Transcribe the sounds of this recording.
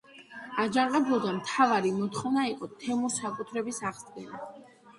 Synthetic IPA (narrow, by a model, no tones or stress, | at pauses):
ad͡ʒaɴqʼɛbulˠd̪amt̪ʰavaɾimɔt̪χɔvnaiqʼɔt̪ʰɛmɔsakʼut̪ʰɾɛbisaʁzʼɡɛna